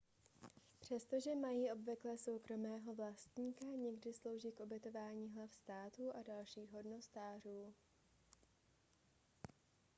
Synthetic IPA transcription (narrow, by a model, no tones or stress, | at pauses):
pr̝̥ɛst̪o̞ʒɛmajiːʔo̞bvɪklɛːso̞wkɾo̞mɛːɦo̞vlast̪ɲiːkaɲɛɡdɪslo̞wʒiːkʔo̞bjɛt̪o̞vaːɲiːɦlafst̪aːt̪uːʔadalʃiːɣɦo̞dno̞st̪aːr̝uː